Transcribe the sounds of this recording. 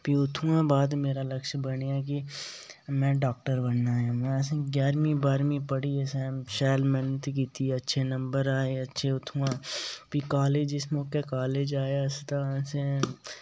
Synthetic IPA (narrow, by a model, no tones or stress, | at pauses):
piʊt̪ʰːũãbaːd̪meːɾaləkʃbəneɛk̬i | mɛ̃ːɖaːk̚ʈəɾbənːaɦemɛ̃sɡjaːɾmĩbaːɾmĩpəɽiɛsɛ̃ːʃɛːlmɛ̃ːnt̪kiːt̪iɐtːʃʰenə̃mbəɾaːeɐtːʃʰeʊt̪ʰːũãpikaːleːd͡ʒɪsmõːkekaːleːd͡ʒaːjast̪ãse